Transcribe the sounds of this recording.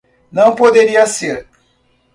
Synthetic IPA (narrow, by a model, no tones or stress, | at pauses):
nɐ̃w̃pod̪eɾiɐseɾ